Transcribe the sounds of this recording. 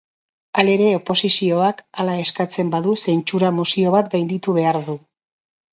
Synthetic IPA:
ale̞ɾe̞o̞po̞sisio̞akalae̞skat͡se̞mbaðuse̞nt͡ʃuɾamusio̞β̞at̪ɡajnd̪it̪uβ̞e̞aɾðu

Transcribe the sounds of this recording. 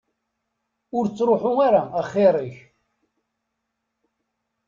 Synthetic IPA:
ʊɾt͡sːɾoħʊaɾaːχːɪɾˤiç

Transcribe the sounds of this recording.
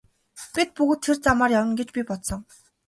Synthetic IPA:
pʲit̪̚puɣɘ̆t̪ʰːert͡samaːrjawə̆ŋɡet͡ɕpʲipɔt̪sɞ̆ŋ

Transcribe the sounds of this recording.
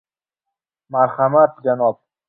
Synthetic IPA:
maɾxamat̪d͡ʒanɔːb̚

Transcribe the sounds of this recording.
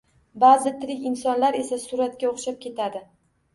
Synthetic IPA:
bazɪt̪ʰɪɾɪkʲɪnsɒnlaɾe̞sasʊɾat̪kʲaoχʃap̚kʲʰe̞t̪ʰad̪ɪ

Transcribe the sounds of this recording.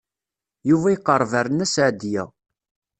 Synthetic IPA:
juvæjəqːəɾˤːvæɾənæsʕd̪jæ̰

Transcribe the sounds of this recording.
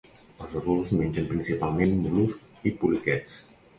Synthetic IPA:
əlˠzəðulˠzmenʲʒəmpɾinsipalˠmenmulusk | ipulikɛt͡s

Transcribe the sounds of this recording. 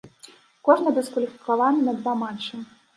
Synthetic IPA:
kɔʐnɐbʲɛskulʲixʲklalanɨnɐd̪vamat͡ʂɨ

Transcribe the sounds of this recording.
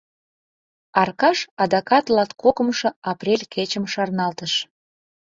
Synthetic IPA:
ɑrkɑʃɑd̪ɑkɑt̪lɑt̪kokə̆mʃɤ̆ɑprʲelʲket͡ɕəmʃɑrnɑlt̪əʃ

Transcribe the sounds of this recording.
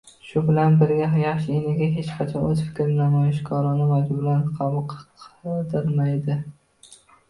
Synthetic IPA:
ʃʊbɪlanbɪɾɡʲaɦjɑχʃɪenɪɡʲaɦe̞t͡ʃqʰɑt͡ʃʰɒozfɪ̥kʲʰɾɪnamɒjɪʃɡɑɾɑnɪmad̪ʊbɪlanqʰɑbʊq | d̪ɪɾmajd̪ɪ

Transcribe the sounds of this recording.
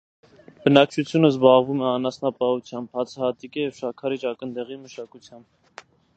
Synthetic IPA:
b̥ənɑk̚t͡ʃʰut͡sʰjunəzbɑʁvumɛɑnɑsnɑpɑut͡sʰjɑmbhɑt͡sʰɑhɑt̪ikijɛvʃɑkʰɑɾit͡ʃɑkənd̪ɛʁiməʃɑkut͡sʰjɑmb̚

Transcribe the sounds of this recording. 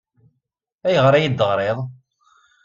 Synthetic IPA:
æjəʁɾˤæjid̪əʁɾˤeðˤ

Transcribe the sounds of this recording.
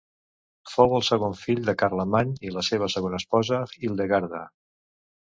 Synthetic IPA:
fowəlˠsəɣoɱfiʎd̪əkaɾləmaɲiləseβ̞əsəɣonəspɔzəilˠd̪əɣaɾðə

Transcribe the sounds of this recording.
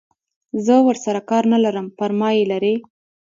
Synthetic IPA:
zəwəɾsaɾakɑɾnalaɾəmpəɾmɑjelaɾe

